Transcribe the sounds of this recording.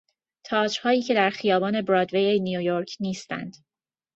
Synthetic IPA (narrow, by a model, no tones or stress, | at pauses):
t̪ʰɒːd͡ʒhɒːjiːcʰe̞d̪æɾxijɒːbɒːne̞bɾɒːd̪vejenijojoɾcʰniːst̪æ̰nd̪̥